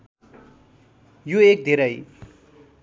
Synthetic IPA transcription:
joek̚d̪ʱeɾʌj

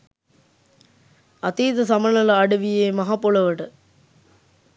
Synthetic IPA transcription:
ɐt̪iːd̪ɐsɐmɐnɐlɐɐɖəʋijeːmɐɦaːpolɐʋəʈə

